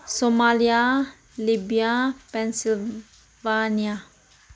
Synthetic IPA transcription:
somalia | libiapɛnsil | vania

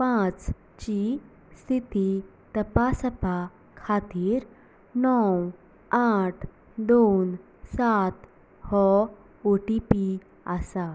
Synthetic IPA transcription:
pãt͡s | t͡ɕi | st̪ʰit̪i | t̪əpasəpa | kʰat̪iːɾ | nɔw | aʈʰ | d̪on | sat̪ | hɔ | oʈipi | asa

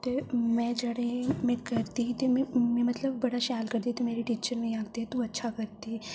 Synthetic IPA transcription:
t̪emɛ̃d͡ʒəɽẽmɛ̃kɐɾt̪it̪emmẽmɐt̪ləbːɐɽaʃaːlkəɾt̪it̪emeːɾeʈiːt͡ʃəɾmẽjaːɡt̪eɦt̪ũɐtːʃʰakɐɾt̪i

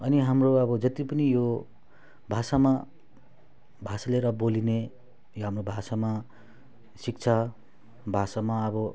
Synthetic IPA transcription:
ʌniɦamroʌbʌd͡zʌt̪ipʌnijo | bʱasama | bʱasaleɾʌboline | joɦamrobʱasama | sik̚t͡sʰa | bʱasamaʌbʌ

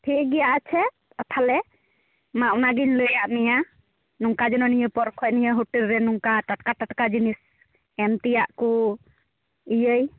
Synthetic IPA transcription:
pʰiɡɛjaʔat͡ʃʰɛ | ət̪ʰalɛ | maʔunaɡiɲləjaʔmija | nuŋkad͡ʒɔnɔnijəpɔɾkʰɔcnijəɦuʈilɾɛnuŋkaʈaʈkaʈaʈkad͡ʒinis | ɛmt̪ijaʔku | ijəj

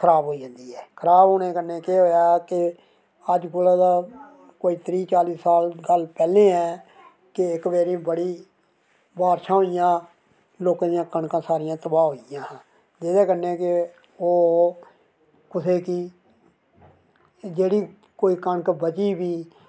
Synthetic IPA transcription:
kʰəɾaːbɦoːid͡ʒə̃ːnd̪iːɦɛːkʰəɾaːbɦoːneːkəneːkeɦoːjaːkɪ | əd͡ʒkoːlãːd̪aː | koːiːt̪ʰɾiːt͡ʃaːliːssaːlɡəlpɛːlẽːɛː | kɪɪkbeːɾĩːbəɽiː | baːɾʃãːɦoːijãː | loːkãːd̪ijãːkəɳkãːsaːɾɪjãːt̪əbãːɦoːijãː | d͡ʒeːd̪eːkənekɪ | oː | kʊseːkiː | d͡ʒeːɽiː | koːiːkəɳkbət͡ʃiːbiː

